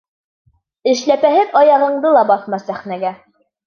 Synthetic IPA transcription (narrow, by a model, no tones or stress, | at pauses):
ɘ̆ʃlæpæɦɘðɑjɑʁɤ̆ɴd̪ɤlˠɑbɑθmɑsæχnæɡæ